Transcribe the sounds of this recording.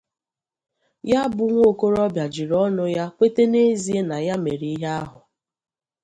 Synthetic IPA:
ja˦bʊ˨ŋʷo˦˨ko˦ɾɔ˦bja˨d͡ʒi˨ɾɔ˦nʊ˨ja˦kʷe˦te˦ne˦zi˦e˦na˨ja˦me˨ɾi˦i˦ɦa˦a˦ɦʊ˨

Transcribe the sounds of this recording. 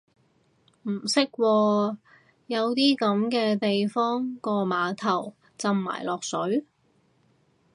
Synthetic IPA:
m̩˨˩sɪ˥k̚wɔː˧ | jɐ˨˧wt̪iː˥kɐ˨˥mkɛː˧t̪e˨jfɔː˥ŋkɔː˧maː˨˧t̪ʰɐ˨˩w | t͡sɐ˧mma̰ː˨˩jlɔː˨k̚sɵ˨˥ɥ

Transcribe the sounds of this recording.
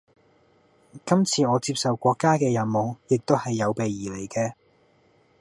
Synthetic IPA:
kɐ˥mt͡sʰiː˧ɔː˨˧t͡siː˧p̚sɐ˨wkʷɔː˧kːaː˥kɛː˧jɐ˨˩nmo˨˧wjɪ˨k̚t̪o˥whɐ˨jːɐ˨˧wpe˨jːiː˨˩le˨˩jkɛː˧

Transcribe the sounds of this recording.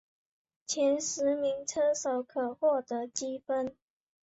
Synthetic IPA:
t͡ɕʰjɛ˨˦˥nʂɻ̩˨˦mi˧˥ŋʈ͡ʂʰɤ˥so˨˩ʊkʰɤ˨˩xwɔ˥˩t̪ə˧˦t͡ɕi˥fə˦n

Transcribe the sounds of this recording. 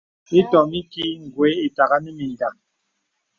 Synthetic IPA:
i˦tɔ˨mi˦ki˦ŋ̩˨ɡwe˨˦i˨ta˨ɣa˦nɛ˦mi˨n˨da˨ŋ

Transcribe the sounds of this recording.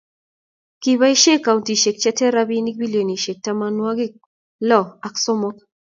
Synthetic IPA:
ki˨βa˦i˦ʃe˦ka˨u˨ndi˨ʃe˨k̚t͡ʃɛ˦tɛ˦ɾa˦bi˦ni˦k̚bi˦ljo˨ni˨ʃe˨k̚ta˦ma˦nwa˦ɡɪ˦ | lɔ˦˨a˨ksɔ˦mɔ˦k

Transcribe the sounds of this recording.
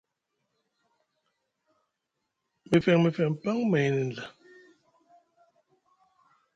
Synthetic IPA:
mi˨fɛ˨ŋmi˨fɛ˨ŋ˨pa˦ŋmɛ˨jnɛ˨n̩˨la˨

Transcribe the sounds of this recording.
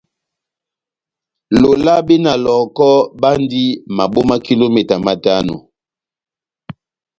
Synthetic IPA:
lo˨la˦be˦na˨lɔ˨kɔ˦ba˦ndi˦ma˨bo˦ma˦ki˦lo˦mɛ˨ta˨ma˨ta˦no̰˨

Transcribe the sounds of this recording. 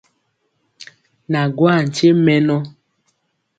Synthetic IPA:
na˨ɡwa˦˨n̩˨t͡ʃe˦mɛ˦nɔ˦

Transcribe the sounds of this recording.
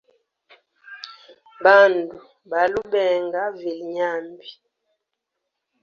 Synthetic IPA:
ba˦˨ndu˨ | ba˨lu˦bɛ˨ŋɡa˦ve˨lɲa˦˨mbi˨

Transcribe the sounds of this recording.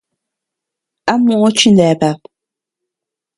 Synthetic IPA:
a˦mwɔ˦˨ŋɔ˦t͡ʃi˦ndɛː˨pa˨p̚

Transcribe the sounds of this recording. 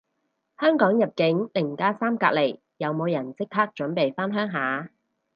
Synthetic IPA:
hœː˥ŋkɔː˨˥ŋjɐ˨p̚kɪ˨˥ŋlɪ˨˩ŋkaː˥saː˥mkaː˧k̚le˨˩j | jɐ˨˧wmo˨˧wjɐ˨˩nt͡sɪ˥k̚hʰaː˥k̚t͡ʃɵ˨˥npe˨jfaː˥nɦœː˥ŋɦaː˨˥

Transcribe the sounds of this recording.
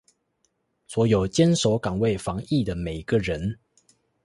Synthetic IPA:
swɔ˧˦˥jo˨˩ʊt͡ɕjɛ˦nʂo˨˥ʊkɑ˨˩ŋwe˥˨ɪfɑ˧˦ŋi˥˨d̪ə˩me˨˩ɪɡə˧ɻə˨˦n

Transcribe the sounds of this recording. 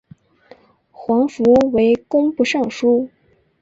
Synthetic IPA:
xwɑ˧˥ŋfu˧˥we˧˥ɪkʊ˥ŋpu˥˧ʂɑ˥˩ŋʂu˥

